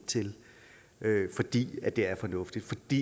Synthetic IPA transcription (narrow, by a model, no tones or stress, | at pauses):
t͡sʰe̝l | øfɒ̽d̥ḭːæd̥d̥e̝æɐfɒ̽nɔ̽fd̥id̥fɒ̽d̥ḭ